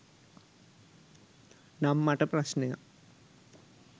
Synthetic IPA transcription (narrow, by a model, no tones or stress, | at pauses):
namːɐʈːɐprɐɕnɐja̰